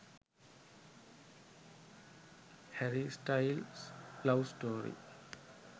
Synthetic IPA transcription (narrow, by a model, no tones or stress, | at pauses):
hɛɾisʈaɪlslʌʋsʈoːɾḭ